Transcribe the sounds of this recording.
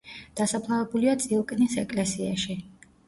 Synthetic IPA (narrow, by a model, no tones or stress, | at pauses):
d̪̥asapʰlˠavɛbuliat̪sʼiɔkʼnisɛkʼlɛsiaʃi